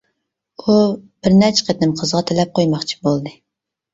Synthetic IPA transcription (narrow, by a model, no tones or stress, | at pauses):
ubɪɾnɛt͡ʃʰqʰet̪nɪmqʰəzʁɑt̪ʰelɛp̚qʰojmɑχt͡ʃʰi̥bolˠd̪ɨ